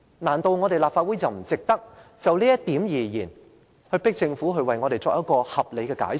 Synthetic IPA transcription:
naː˨˩nt̪o˧wŋɔː˨˧ɾe˨jlaː˨p̚faː˧t̚wuː˨˥jt͡sɐ˨wm̩˨˩t͡sɪ˨k̚t̪ɐ˥k̚t͡sɐ˨wliː˥jɐ˥tt̪iː˨˥mjiː˨˩jiː˨˩n | hɵ˧ɥpɪ˥k̚t͡sɪ˧ŋfuː˨˥ɦɵ˧ɥwɐ˨jŋɔ˨˧e˨jt͡sɔː˧k̚jɐ˥kɔː˧hɐ˨p̚le˨˧jkɛː˧ka̰ː˨˥js

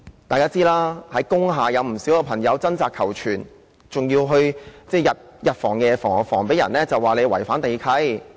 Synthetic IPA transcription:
t̪aː˨˧kaː˥t͡siː˥laː˥hɐ˨˥jkʊ˥ŋɦaː˨jɐ˨˧wm̩˨˩siː˨˥wkɛ˧pʰɐ˨˩ŋjɐ˨˧wt͡sɐ˥nt͡saː˨˧kʰɐ˨˩wt͡ʃʰyː˨˩n | t͡sʊ˨ŋjiː˧wɦɵ˧ɥt͡sɛː˥˩jɐ˨t̚jɐ˨t̚fɔː˨˩ŋkɛː˧fɔː˨˩ŋ˨˩fɔː˨˩ŋpe˨˥jɐ̰˨˩nlɛː˥t͡sɐ˨waː˨le˨˧jwɐ̰˨˩jfaː˨˥nt̪e˨˧jkʰɐ˧˥j

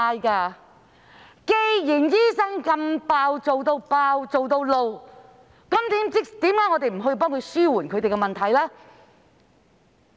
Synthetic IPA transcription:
aː˧jkaː˧ | ke˨˧jji˨˩njiː˥sɐ˥ŋkɐ˧mpaː˧wt͡so˨wt̪o˧wpaː˧wt͡so˨wt̪o˧wlo˨˧w | kɐ˨˥mt̪iː˨˥mt͡sɪ˥kt̪iː˨˥mkaː˨˥ŋɔ˨˧e˨jm̩˨˩ɦɔ˧jp̬ɔː˥ŋkʰɵ˧ɥsyː˥wuː˨˩nkʰɵ˨˧˥t̪e˨jkɛ˧mɐ˨nt̪ʰɐ˨˩jlɛː˥

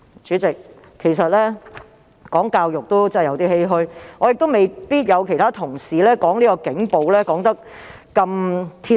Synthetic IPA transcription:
t͡ʃyː˨˥t͡sɪ˨˩k̚ʰː | e˨˩js̬ɐ˨t̚lɛː˥ | kɔː˨˥ŋkaː˧wjʊ˨k̚t̪o˥wt͡sɛ˥˨jɐ˨˧wt̪iː˥he˥jɦɵ˥jŋɔː˨˧jɪ˨k̚t̪wme˨˩jpiː˥t̚jɐ˨˧wkʰe˨˩jt̪ʰaː˥t̪ʰʊ˨˩ŋsiː˨˧lɛː˥kɔː˨˥ŋniː˥kɔː˧kɪ˨˥ŋpo˨˧wlɛː˥kɔː˨˥ŋt̪ɐ˥k̚ː | ɐ˧mt̪ʰiː˧

